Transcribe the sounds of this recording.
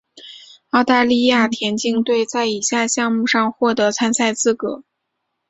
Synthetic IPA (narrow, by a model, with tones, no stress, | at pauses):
ɑ˥˧ʊt̪a˥˧li˥˧ja˥˩t̪ʰjɛ˧˥nt͡ɕi˥˧ŋt̪we˥˧ɪt͡sa˥˩ɪi˨˩ɕja˥˧ɕjɑ˥˧ŋmu˥˧ʂɑ˥˧ŋxwɔ˥˩t̪ɤ˧˥t͡sʰa˥nsʰa˥˧ɪt͡sɹ̩˥˩kɤ˧˥˦